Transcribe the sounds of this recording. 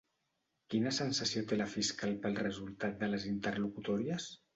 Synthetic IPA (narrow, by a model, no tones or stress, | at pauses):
kinəsənsəsiot̪eləfiskalˠpəlˠrəzulˠt̪at̪̚d̪ələzint̪ərlukut̪ɔɾiəs